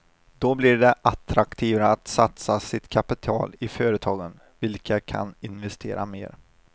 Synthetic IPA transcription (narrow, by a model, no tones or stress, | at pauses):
d̪ɔblɪɖɛʔat̪ɾakt̪ʰiːvaːt̪sat̪sasɪt̪kʰapɪt̪ʰɑ̰ːlɪføːɾət̪ʰɑːɡən | vɪlkʰakʰa̰nɪnvɛst̪ʰeːɾa̰mḛːɾ